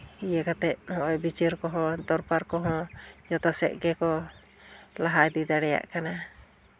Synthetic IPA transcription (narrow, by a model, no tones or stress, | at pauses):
ijɛkat̪ɛt̪̚nɔʔɔjbit͡ʃiɾkɔɦɔ̃d̪ɔɾpaɾkɔɦɔ̃d͡ʒɔt̪ɔsɛ̰ʔ̪̚ɡɛkɔ | laɦajd̪id̪aɽɛja̰ʔkana